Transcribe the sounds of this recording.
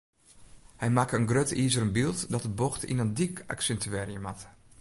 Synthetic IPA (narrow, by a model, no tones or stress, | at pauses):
hɛjmakəənɡrøtiːzəɾənbilˠtdɔt̚dəboxtḭnəndika̰ksɛntyɛːrijəmat